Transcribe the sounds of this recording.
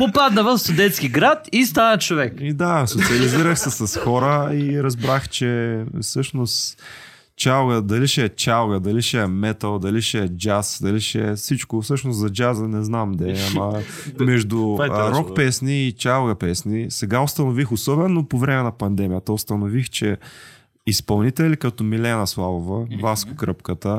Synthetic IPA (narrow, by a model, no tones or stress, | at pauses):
popad̪nəvɐfst̪ʊd̪ɛnt̪skiɡɾat̪ist̪anət͡ʃovɛkid̪asot̪siɐliziɾəxsɛsɐsxɔɾəiɾɐzbɾaxt͡ʃɛfsɤʃnʊst̪ | t͡ʃalˠɡəd̪ɐliʃɛt͡ʃalˠɡəd̪ɐliʃɛmɛt̪əlˠd̪ɐliʃɛɛd͡ʒasd̪ɐliʃɛ̰sit͡ʃkʊfsɤʃnʊsɐd͡ʒazənɛznamd̪ɛamɐ | mɛʒd̪ʊɾɔkpɛsniːt͡ʃalˠɡɐpɛsnisɛɡaʊst̪ɐnʊvixosɔbɛnːopovɾɛmɛnɐpɐnd̪ɛmʲijət̪əʊst̪ɐnʊvixt͡ʃɛ | ispɐlˠnit̪ɛlikɐt̪ɔmilɛnɐslˠavovɐvaskʊkɾɤpkət̪ə